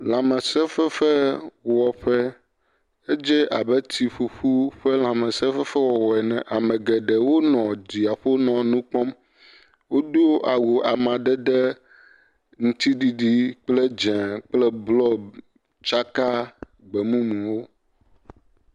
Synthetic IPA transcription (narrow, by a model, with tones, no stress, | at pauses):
lã˨mɛ̃˨sɛ˦fɛ˦fɛ˦wɔ˨ɸɛ˦ | e˦d͡ʒɛ˦ʔa˨bɛ˦t̪i˨ɸu˨ɸu˦ɸɛ˦lã˨mɛ̃˨sɛ˦fɛ˦fɛ˦wɔ˨wɔ˨ɛ˨nɛ̃˨ʔa˨mɛ̃˨ɡɛ˨ɖɛ˨wo˦nɔ̃˨d͡ʒi˨a˨ɸo˦nɔ̃˨nũ˦k͡pɔ˦m | wo˦do˦ʔa˨wu˨a˨mã˨ɖɛ˦ɖɛ˦ | ŋũ˦t̪i˦ɖi˦ɖi˦k͡ple˦d͡ʒɛ̃˨k͡plɛ˦blɔ˦ | t͡ʃa˦ka˦ | ɡ͡bɛ˨mũ˦mũ˨wo˦